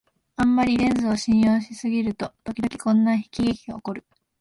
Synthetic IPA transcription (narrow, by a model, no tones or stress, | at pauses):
ãmːaɾʲiɾẽ̞nd͡zɨoɕĩɰ̃jo̞ːɕisɨɡʲiɾɯ̟t̪o̞t̪o̞kʲid̪o̞kʲi̥kõ̞nːaçi̥kʲiɡekʲiɡaokoɾɯ̟